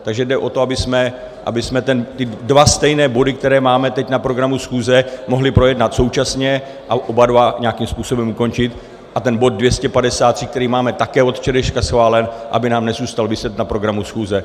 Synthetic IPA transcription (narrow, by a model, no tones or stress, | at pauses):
t̪aɡʒɛdɛʔo̞t̪o̞abɪsmɛ | ʔa̰bɪsmɛt̪ɛnt̪ɪdvast̪ɛjnɛːbo̞dɪk̚t̪ɛɾɛːmaːmɛt̪ɛcnapɾo̞ɡɾamusxuːzɛmo̞ɦlɪpɾo̞jɛdnat̪so̞wt͡ʃasɲɛ | ʔaʔobadvaɲɛakimspuːso̞bɛmuko̞nt͡ʃɪt̪ | ʔat̪ɛnbo̞d̪̚dvjɛscɛpadɛsaːt̪r̥ik̚t̪ɛɾiːmaːmɛt̪akɛːo̞t̪ft͡ʃɛdɛʃkasxvaːlɛnʔa̰bɪnaːmnɛzuːst̪alvɪsɛt̪napɾo̞ɡɾamusxuːzɛ